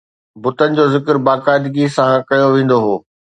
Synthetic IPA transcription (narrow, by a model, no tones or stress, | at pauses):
bʊt̪ənɪ̆d͡ʑoːzɪkəɾbaːkaːɪd̪ɡisãkɐjoʋẽːn̆d̪oɦoː